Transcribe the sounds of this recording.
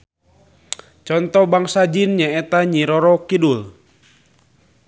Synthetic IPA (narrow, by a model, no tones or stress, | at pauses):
t͡ʃɔnt̪ɔbaŋsad͡ʒinɲaɛt̪aɲiɾɔɾɔkidul